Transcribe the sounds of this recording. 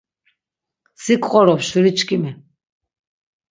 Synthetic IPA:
sikʼqʼɔɾɔpʃuɾit͡ʃʰʼkʼimɛ

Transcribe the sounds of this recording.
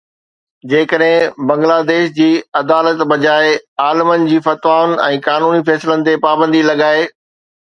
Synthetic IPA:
d͡ʑeːkəɗɦɪ̃bɐ̃ŋɡlaːd̪eːʃd͡ʑiːɐd̪aːlət̪bɐd͡ʑaːeaːlɪmənɪ̆d͡ʑiːfɐt̪ʋaːʋʊnɛ̃ːkaːnuːnifɛːslənɪ̆t̪epaːbə̃nd̪ilɐɠaːe

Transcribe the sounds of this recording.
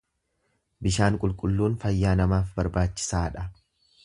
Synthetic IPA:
bɪʃaːŋkʼʊlkʼʊlːuːnfɐjːaːnɐmaːfbɐɾbaːt͡ʃːɪ̥saːᶑɐ

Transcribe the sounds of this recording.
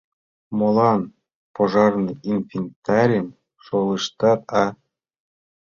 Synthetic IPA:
molˠɑn | poʒɑrnɤinfʲinʲt̪ɑɾʲim | ʃolˠɯʃt̪ɑt̪ɑ

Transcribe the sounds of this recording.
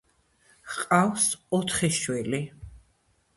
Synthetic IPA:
qʼawsɔt̪ʰχɛʃwɛli

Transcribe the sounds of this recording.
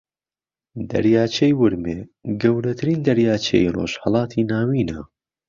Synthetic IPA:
d̪ɐ̰ɾjaːt͡ʃʰejwɨɾmeːɡɐwɾɐt̪ʰɨɾiːnd̪ɐɾjaːt͡ʃʰḛjro̰ːʃhɑlˠɑːt̪ʰiːnaːwiːnɐ

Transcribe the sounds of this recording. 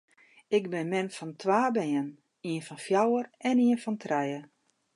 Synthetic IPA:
ɪɡ̚bɪnmɪnfɔntʰʋaːbɛjən | iənfɔnfjawərɛniənfɔntʰrɛjə

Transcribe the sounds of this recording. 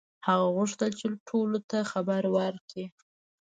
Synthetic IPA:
haɣaɣʊʂt̪əlt͡ʃeʈʰolot̪axabaɾwəɾki

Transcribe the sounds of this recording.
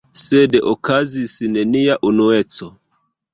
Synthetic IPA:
sedeʔokazisineniaʔunuet͡so

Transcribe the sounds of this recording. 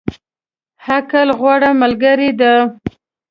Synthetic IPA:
hakalɣwaɽamalɡaɾid̪a

